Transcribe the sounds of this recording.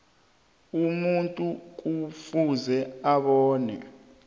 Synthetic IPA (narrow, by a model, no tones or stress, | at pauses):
umuntʼuk̬ufuzɛaɓɔːnɛ̰